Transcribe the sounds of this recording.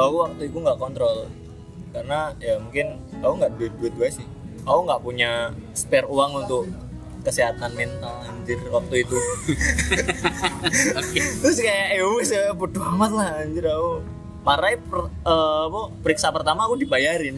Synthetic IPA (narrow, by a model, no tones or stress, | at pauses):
akuwak̚t̪uik̪uŋɡaʔkɔnt̪ɾɔl | karənajamuŋkɪnauŋɡaʔduɪt̪̚duɪt̪̚ɡasɪh | auŋɡaʔpuɲaspɛruaŋunt̪ʊk | kəsiɦat̪anmɛnt̪alaɲd͡ʒɪrwak̚t̪uit̪u | t̪ɾʊskajaʔewɪsəput̪uamat̪̚laɦaɲd͡ʒɪrau | maɾajpəːpəpəɾiksapərt̪amaːkudibajaɾɪn